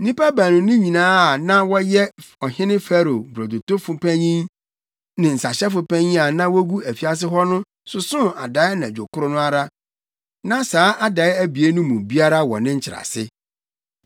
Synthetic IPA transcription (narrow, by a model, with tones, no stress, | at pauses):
nĩ˦pa˦bæ˨nʊ̃˨nʊ̃˦ɲĩ˨nãː˦a˨nã˦wɔ˦jɛ˦ɔ˨ɦɪ̃˦nɪ̃˦fæ˦ɾo˨bɾɔ˨do˨to˦fʊ̃˨pʰæ̃˦ɲĩ˦n | nɪ̃˨n̩˨sa˨ɕɛ˦fʊ˨pæ̃˦ɲĩ˦a˨nã˦wɔ˦ɡu˦æ˨fi˦a˦s̬ɪ˦ɦɔ˦nʊ̃˦ | sʊ˨sʊ̃˦a˨da˨˦ɪ˦nã˨d͡ʑᶣo˨kʰʊ˦ɾʊ˦nʊ̃˦a˨ɾa˦ | nã˦saː˨˦ʔa˦da˨ɪ˦æ˦bi˨e˦nʊ̃˦mũ˨bi˦a˦ɾa˦wɔ̰˨nɪ̃˦ɲ̩˦t͡ɕʰɪ˨ɾa̰˨sɪ˦